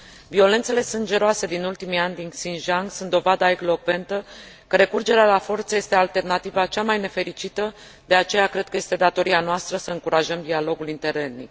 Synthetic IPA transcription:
vio̞le̞nt̪se̞le̞sɨnd͡ʒe̞ɾoase̞d̪inult̪imianʲd̪insinʒaŋɡsunt̪d̪ovad̪aeɡlo̞kve̞nt̪ə | kəɾe̞kurd͡ʒe̞ɾealafo̞rt̪səje̞st̪e̞alt̪e̞rnat̪ivat͡ʃamajne̞fe̞ɾit͡ʃit̪ə | d̪e̞at͡ʃe̞jakɾe̞d̪̚kəje̞st̪e̞d̪at̪o̞ɾianoast̪ɾəsəɨŋkuɾaʒəmd̪ialo̞ɡulint̪e̞ɾenḭ

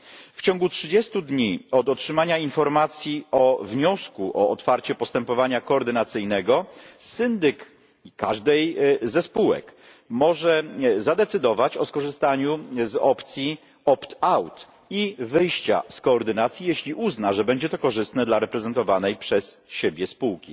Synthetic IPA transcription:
ft͡ɕɔ̃ŋɡutʂɘd͡ʑɛst̪ud̪ɲiɔd̪ɔtʂɘmaɲainfɔɾmat̪sʲjiɔvɲɔskuʔɔːt̪faɾt͡ɕɛpɔst̪ɛmpɔvaɲakɔːɾd̪ɘnat̪sɘjnɛɡɔsɘnd̪ɘk | ikːaʐd̪ɛjzɛspuwɛ̰k | mɔʐɛzad̪ɛt̪sɘd̪ɔvat͡ɕɔskɔʐɘst̪aɲuzɔpt̪sʲji | ɔpt̪awt̪ | ivɘjɕt͡ɕa̰skɔːɾd̪ɘnat̪sʲjijeɕlʲiʔuznaʐɛbɛɲd͡ʑɛt̪ɔkɔʐɘst̪nɛd̪laɾɛpɾɛzɛnt̪ɔvanɛjpʂɛsɕebʲjɛspuwkʲḭ

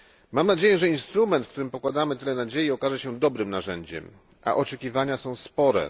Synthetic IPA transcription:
mamnad͡ʑejɛʐɛinst̪ɾumɛnt̪fkt̪uɾɘmpɔkwad̪amɘt̪ɘlɛnad͡ʑejiɔkaʐɛɕɛd̪ɔbɾɘmnaʐɛɲd͡ʑɛ̰m | ʔa̰ʔɔt͡ʂɛkʲivaɲasɔ̃w̃spɔɾɛ̰

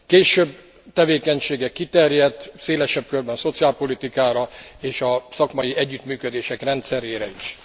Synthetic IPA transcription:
keːʃøb̚ | t̪ɛveːkɛɲʃeːɡɛkːit̪ɛrjɛt̪ːseːlɛʃɛb̚kørbɛnso̞t̪siaːlpo̞lit̪ikaːɾɒeːʃɒsɒkmɒjiɛɟːyt̪myːkød̪eːʃɛkrɛnt̪sɛɾeːɾɛiʃ

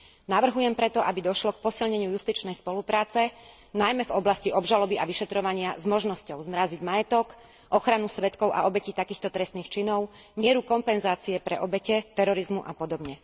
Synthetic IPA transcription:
naʋr̩ɦujɛmpɾɛt̪ɔʔabid̪ɔʃlɔk̚pɔsilɲɛɲɪujust̪it͡ʃnɛjspɔlupɾaːt͡sɛ | najmɛvɔblasciʔɔbʒalɔbiʔaʋiʃɛt̪ɾɔʋaɲɪazmɔʒnɔscɔʊzmɾaziɟmajɛt̪ɔk | ʔɔxɾanusʋɛt̪kɔʊʔa̰ɔbɛciːt̪akiːxt̪ɔt̪ɾɛst̪niːxt͡ʃinɔʊ | mɪɛɾukɔmpɛnzaːt͡siɛpɾɛ̰ʔɔbɛcɛt̪ɛɾɔɾizmuʔa̰pɔd̪ɔbɲɛ

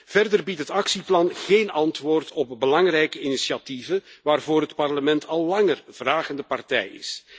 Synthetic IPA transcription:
v̥ɛrdərbitɦətɑksiplɑnɣeːnɑntʋoːrtɔp̚bəlɑŋrɛjkəinisiativənʋaːrvoːrɦətpɑrləmɛntʰɑlˠːɑŋərv̥raːɣəndəpɑrtɛ̰jɪ̰s

